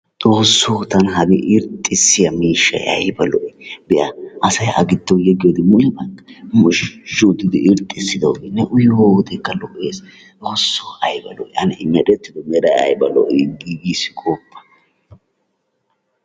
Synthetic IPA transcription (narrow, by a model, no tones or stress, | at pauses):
t͡sʼoːsːoːt̪ɐnɦɐbɪʔɪɾt̪ʼːɪsːɪjɐmiːʃːɐ̰jʔɐ̰jbɐlɔʔjbɛʔɐʔɐsɐjɐ̰ɡɪd̪ːowjɛɡɪjod̪ɪmʊjbɐkːɐmʊʃʃːʊd̪ɪd̪ɪʔɪɾt̪ʼːɪsːɪd̪ɐwɡɪnːɛʔʊjd̪ekːɐlɔʔeːs | t͡s̪ʼo̞ːsːoːɐjbɐ̰lɔ̰ʔj̰ɐnɪɪɲːɐɗɛt̪ːɪd̪ɔmɛɾɐjɐ̰jbɐlɔ̰ʔɡiɡisɪ̥kʼopːɐ̥